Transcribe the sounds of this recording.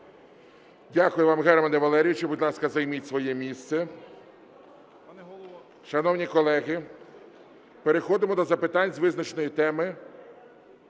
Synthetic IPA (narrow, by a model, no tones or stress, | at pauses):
dʲakʊjʊʋɑmɣɛrmɐnɛʋɐlˠɛɾʲijʊt͡ʃɔbʊd̪ʲlˠɑskɐzɐjmitʲsʋɔjɛmʲist̪sɛ | ʃɐnɔwnʲikɔlˠɛɣɪ | peɾexɔd̪ɪmɔd̪ɔzɐpɪt̪ɑnʲzʋɪznɐt͡ʃnɔjit̪ɛmɪ